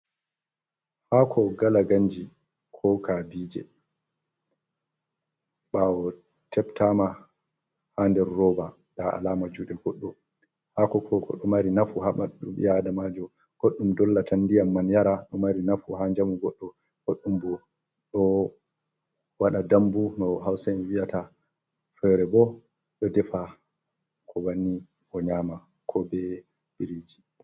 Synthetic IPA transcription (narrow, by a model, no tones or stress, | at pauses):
hakʰɔɡalaɡaɲd͡ʒi | kʰɔkabiːd͡ʒɛ̰ | ɓawɔ | tʰɛptama | handɛɾːɔːba | ɗaa̰laːmad͡ʒuɗɛɡɔɗːɔ | hakɔkʰɔkɔ̰ɗɔmaɾinafuhamaɗɗumḭjadamad͡ʒɔ | ɡ̥oɗːumdɔlːatʰandijamːanjaɾaɗɔmaɾinafuɦaɲd͡ʒamuɡɔɗːɔ | ɡ̥oɗːumbɔ | ɗɔ | waɗadambumɔɦawsɛnwijata | fɛɾɛbɔ | ɗɔdɛfa | kʰɔwanːi | ʔɔɲaːma | kʰɔbɛ | biɾid͡ʒi